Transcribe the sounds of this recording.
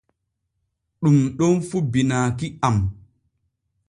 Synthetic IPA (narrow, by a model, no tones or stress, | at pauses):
ɗumɗonfubinaːkiam